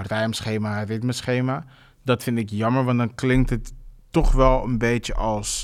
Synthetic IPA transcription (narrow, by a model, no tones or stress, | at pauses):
rɛjmsχejmarɪtməsχejma | dɑtfɪntɪkjɑməɹʋɑndɑnklɪŋk̚tətː | ɔχʋɛlˠənbejtəʔɑlˠs